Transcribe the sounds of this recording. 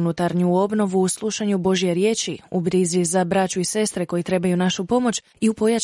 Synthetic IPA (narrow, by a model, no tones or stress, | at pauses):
nut̪aɾɲuo̞bno̞ʋuːslˠuʃaɲubo̞ʒijeɾje̞ːt͡ʃiubɾizizabɾat͡ʃuise̞st̪ɾeko̞jit̪ɾe̞bajunaʃupo̞mo̞t͡ʃ | iupo̞ja